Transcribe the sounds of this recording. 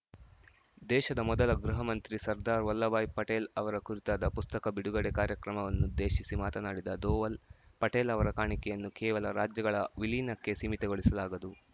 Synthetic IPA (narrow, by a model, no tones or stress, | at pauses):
d̪ɛːʃɐd̪ɐmɔd̪ɐlɐɡɾuɦɐmɐnt̪ɾisɐɾd̪aːɾʋɐlːɐbaːjpɐʈeːlɐʋɐɾɐkuɾit̪aːd̪ɐpust̪ɐkɐbiɽuɡɐɽekaːɾjɐkɾɐmɐʋɐnːud̪eːʃisimaːt̪ɐnaːɽid̪ɐd̪oːʋɐlpɐʈeːlɐʋɐɾɐkaːɳikɛjɐnːukɛːʋɐlɐɾaːd͡ʒjɐɡɐɭɐʋiliːnɐkːe̞simit̪ɛɡoɭisɐlaːɡɐd̪u